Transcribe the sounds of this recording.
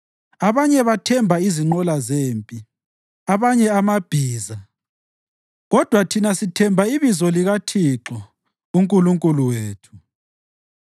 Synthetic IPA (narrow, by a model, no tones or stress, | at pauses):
aβaɲɛβatʰɛmbʱaiziŋ͡ǃɔlazeːmpʼi | aβaɲɛamab̥ʱiːza | ɣɔd̥ʱwatʰinasitʰɛmbʱaiβizɔliɣatʰiǁɔ | uŋkʼuluŋkʼuluweːtʰu̥